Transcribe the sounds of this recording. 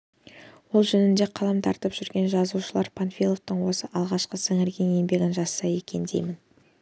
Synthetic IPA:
wo̞lˠʒɵnɪnd̪e̞qʰɑlˠɑmt̪ʰɑɾt̪əpʒ̥ʏɾɡʲe̞nʒɑzuʃəlˠɑɾpʰanfilˠo̞ft̪əɴwo̞səʔɑlˠʁɑʃqəsɪŋɪɾɡʲe̞nje̞mbe̞ɡʲɪnʒɑsːɑje̞kʲe̞nd̪e̞̰jmɪn

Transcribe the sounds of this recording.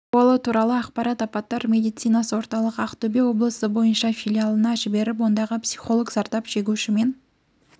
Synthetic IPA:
wɑlˠət̪ʰuɾɑlˠəɑqpɑɾɑt̪ɑpɑt̪ːɑɾmʲe̞d̪ijt̪sijnɑsəwo̞ɾt̪ɑlˠəqɑqt̪ʰɵbewo̞blˠəsəbo̞jənʃɑfʲilʲijalˠənɑʒɪbe̞ɾɪp̬wo̞nd̪ɑʁəpsʲi̥χo̞lˠoɡzɑɾt̪ɑpʒ̥eɡʲuʃɪme̞n

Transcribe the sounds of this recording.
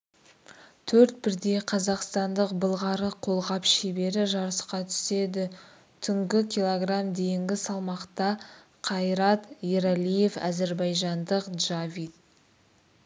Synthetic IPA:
t̪ʰɵɾt̪̚bɪɾd̪e̞qʰɑzɑqst̪ɑnd̪əq̚bəlˠʁɑɾəqʰo̞lˠʁɑpʃebe̞ɾɪʒɑɾəsqɑt̪ʰʏ̥se̞d̪ɪ | t̪ʰʏŋɡʲɪkʲʰijlˠoɡramd̪e̞jɪŋɡʲɪsɑlˠmɑqt̪ɑ | qʰɑjɾɑt̪jeɾalʲije̞fæ̰zeɾbɑjʒɑnd̪əqd̪ʒavʲit̪̚

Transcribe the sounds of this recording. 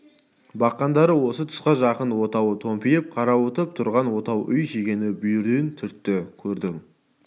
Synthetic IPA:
bɑqːɑnd̪ɑɾəwo̞sət̪ʰʊ̥sqɑʒɑqənwo̞t̪ɑwət̪ʰo̞mpijəp̚qʰɑɾɑwot̪əp̚t̪ʰʊɾʁɑnwo̞t̪ɑwʔʏjʃekʲe̞nɪbʏjɪɾd̪ent̪ʰʏɾt̪ːɪkʲʰɵɾd̪ɪŋ

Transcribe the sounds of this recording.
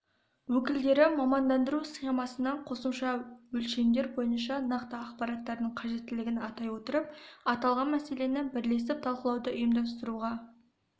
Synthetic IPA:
wɵkʲɪld̪e̞ɾɪmɑmɑnd̪ɑnd̪əɾusχe̞mɑsənɑɴqʰo̞səmʃɑwɵlʃe̞md̪e̞ɾbo̞jənʃɑnɑqt̪əɑqpɑɾɑt̪ːɑɾd̪əɴqʰɑʒe̞t̪ːɪlɪɡʲɪnɑt̪ɑjwo̞t̪əɾəp̚ɑt̪ɑlˠʁɑnmæse̞le̞nebɪɾle̞sɪp̚t̪ʰɑlˠqəlˠɑwd̪əʔʊjəmd̪ɑst̪əɾuʁɑ

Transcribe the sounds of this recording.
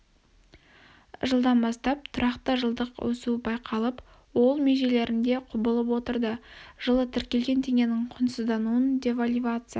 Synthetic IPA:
ʒəlˠd̪ɑnbɑst̪ɑp̚t̪ʰʊɾɑqt̪əʒəlˠd̪əqwɵ̰suəbɑjqʰɑlˠəp | wo̞lˠmeʒe̞le̞ɾɪnd̪e̞qʰʊbəlˠəp̬wo̞t̪əɾd̪əʒ̥əlˠət̪ʰɪɾkʲe̞lɡʲe̞nt̪ʰe̞ŋʲe̞nɪŋqʰʊnsəzd̪ɑnuənd̪ʲe̞valʲivat̪sɨja

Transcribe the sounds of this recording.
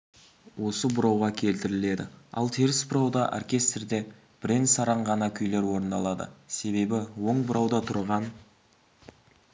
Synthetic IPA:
wo̞səbʊɾɑwʁɑkʲʰe̞lt̪ɪɾɪle̞d̪ɪ̰ɑ̰lˠt̪ʰeɾɪsbʊɾɑwd̪ɑʔo̰rkʲe̞st̪rd̪e̞ | b̥ɾʲend̪sɑɾɑɴʁɑnɑkʲʰʏjle̞ɾwo̞ɾənd̪ɑlˠɑd̪ə̰se̞βe̞bɪwo̞ɴbʊɾɑwd̪ɑt̪ʰʊɾʁɑn

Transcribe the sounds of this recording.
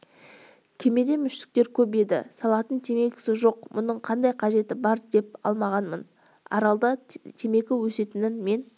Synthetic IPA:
kʲʰe̞me̞d̪e̞mʏʃt̪ɪ̥k̚t̪e̞ɾkʲʰɵp̬e̞d̪ɪ̰sɑlˠɑt̪ənt̪ʰe̞me̞ɡʲɪ̥sɪʒo̞qmʔʊnəɴqʰɑnd̪ɑjqʰɑʒe̞t̪ɪbɑɾd̪e̞p̚ɑ̰lˠmɑʁɑnmən | ɑ̰ɾɑlˠd̪ɑt̪ʰe̞me̞ɡʲɪwɵse̞t̪ɪnɪnme̞n

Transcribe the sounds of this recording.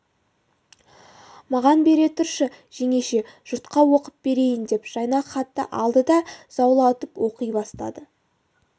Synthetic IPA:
mɑʁɑnbe̞ɾe̞t̪ʰʊɾʃə | ʒ̥e̞ŋe̞ʃe̞ʒ̥ʊɾt̪qɑwo̞qəp̚b̥e̞ɾe̞jɪnd̪e̞pʒ̥ɑjnɑχɑt̪ːə̰ʔɑlˠd̪əd̪ɑzɑwlˠɑʊt̪əpwo̞qəjbɑst̪ɑ̰d̪ə

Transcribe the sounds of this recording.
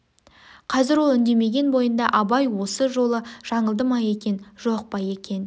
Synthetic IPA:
qʰɑzɪɾwo̞lˠʏnd̪e̞me̞ɡʲe̞nbo̞jənd̪ɑʔɑbɑjwo̞səʒo̞lˠəʒ̥ɑɴəlˠd̪əmɑje̞kʲe̞nʒo̞q̚pɑje̞kʲe̞n

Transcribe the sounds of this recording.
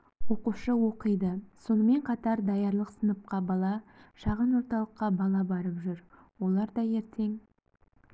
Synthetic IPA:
wo̞quʃəwo̞qəjd̪əso̞nəme̞ɴqʰɑt̪ɑɾd̪ɑjɑɾlˠəqsənəp̚qɑbɑlˠɑʃɑʁənwo̞ɾt̪ɑlˠəqːɑbɑlˠɑbɑɾəpʒʏɾ | wo̞lˠɑɾd̪ɑje̞ɾt̪ʰe̞ŋ

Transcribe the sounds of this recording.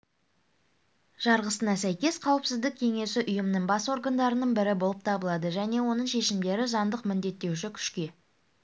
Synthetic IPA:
ʒ̥ɑɾʁəsənɑsæjkʲe̞sqʰɑwəpsɪzd̪ɪk̚ʲʰe̞ŋe̞sɪʔʊjəmnəɴbɑswo̞ɾɡɑnd̪ɑɾənəɴbɪɾɪbo̞lˠəp̚t̪ʰɑbəlˠɑd̪əʒæne̞wo̞nəɴʃe̞ʃɪmd̪e̞ɾɪzɑnd̪əqmɪnd̪e̞t̪ːe̞wʃɪkʲʰʏ̥ʃkʲe̞

